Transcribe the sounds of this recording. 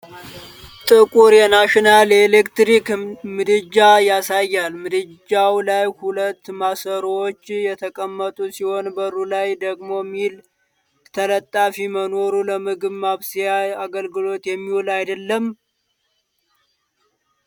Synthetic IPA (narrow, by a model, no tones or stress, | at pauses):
t̪ʼɨkʼuɾjɛnaʃinalelekt̪ɾikmɨd̪ɨd͡ʒajasajːalmɨd̪ɨd͡ʒawlajhulət̪ːmasəɾwot͡ʃːjɛt̪ʰəkʼəmːət̪ʼusiho̞nbəɾulajd̪əɡmo̞mːil | t̪ʰələt̪ʼːafiməno̞ɾuləmɨɡɨβmaβsijaaɡəlɡɨlo̞t̪jɛmːiwlajd̪əlːəm